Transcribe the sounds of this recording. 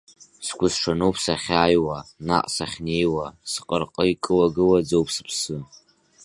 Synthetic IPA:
skʷʰʊsʂʰanowpʰsaχʲajwana̰qʼsaχʲne̞jwasqʼərqʼəikʼɨwaɡɨlwad͡zowpʰsɨpʰsɨ

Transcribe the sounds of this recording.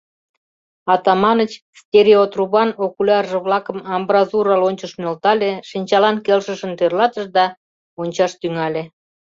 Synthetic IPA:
ɑt̪ɑmɑnət͡ɕst̪ʲeɾʲeot̪ruβɑnokulʲɑrʒĕβlɑkə̆mɑmbrɑzuɾɑlonʲt͡ɕəʃmølt̪ɑlʲeʃinʲt͡ɕɑlɑnkelʃəʃə̆nt̪ørlɑt̪əʃd̪ɑ | onʲt͡ɕɑʃt̪yŋɑlʲe

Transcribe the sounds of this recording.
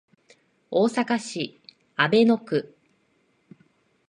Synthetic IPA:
oːsakaɕi | abe̞no̞kɯ̟

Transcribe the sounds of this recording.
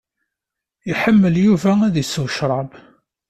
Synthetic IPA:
iħəmːəljuvææðisːəwʃɾˤɑb

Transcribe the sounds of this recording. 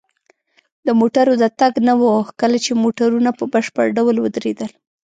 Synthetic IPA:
d̪əmoʈaɾod̪ət̪aɡnawokəlat͡ʃemoʈaɾunapəbaʃpə̰ɾɖawlwəd̪ɾed̪əl

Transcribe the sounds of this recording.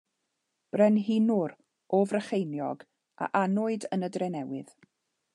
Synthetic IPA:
b̥rɛnɦɪnʊɾ | oːvrəχejnjɔ̰ɡ | a̰ʔanʊɨdənədrɛnɛwɪ̰ð̥

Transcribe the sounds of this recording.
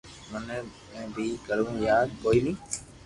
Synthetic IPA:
mənː | ɛ̃ːbʱiːkəɾũːjaːd̪̚koːiːnĩː

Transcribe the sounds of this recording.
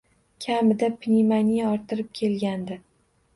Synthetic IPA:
kʲʰamɪd̪apʰnʲimanʲijaɒɾt̪ɪɾɪp̚kʲʰe̞lɡʲand̪ɪ

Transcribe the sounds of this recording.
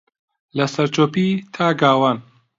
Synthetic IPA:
lɐsɐɾt͡ʃoːpiːt̪ʰaːɡaːwaːn

